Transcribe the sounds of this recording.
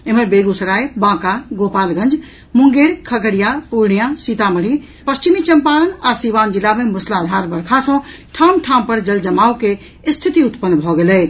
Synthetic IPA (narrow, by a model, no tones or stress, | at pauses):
emebeɡusəɾajbãːkaɡopaːlɡə̃nd͡ʒ | muŋɡeɽkʰəkəɽijapuɾɳijãsit̪aməɽ̤i | pəst͡ʃimit͡ʃəmpalənasiʋaːnd͡ʒilːamemuslad̪ʱaɾbəɽkʰasə̃ʈʰamʈʰãmpəɾd͡ʒəld͡ʒəmauke | st̪ʰit̪iʊt̪pənːbʱɔɡelɛːt͡ʃʰ